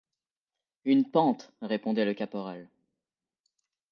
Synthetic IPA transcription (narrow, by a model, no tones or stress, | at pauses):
ynpɑ̃t̪ʁepɔ̃d̪ɛləkapɔʁal